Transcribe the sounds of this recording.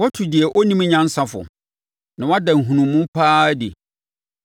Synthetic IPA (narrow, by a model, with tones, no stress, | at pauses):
wɔ˦tʰʊ˨dɪ˨ɛ˨ʔɔ˦nĩ˦m˦ɲã˦n̩˦sa˦fʊ̰˨ | nã˨wa˦dã˨ŋ̩˨ɦũ˨nũ˨mmũ˦m˦pʰaː˦dɪ̰˨